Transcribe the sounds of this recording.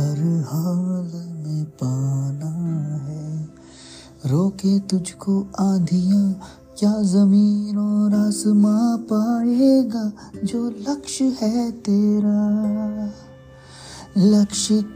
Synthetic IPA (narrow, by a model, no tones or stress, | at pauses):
ɐɾhaːlmẽpaːnaɦɛː | ɾoːket̪ʊd͡ʒʱkoaːd̪ʱijã | kjaːzɐmiːnoːɾasmapaːeeːɡaː | d͡ʒoːlɐkʃɦɛt̪eːɾaː | lɐkʃə